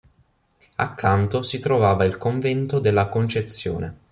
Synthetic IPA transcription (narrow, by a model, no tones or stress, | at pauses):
a̰kʰːant̪osit̪ɾovaːvailkoɱvɛnt̪od̪elːakont͡ʃet̪sːjo̰ːne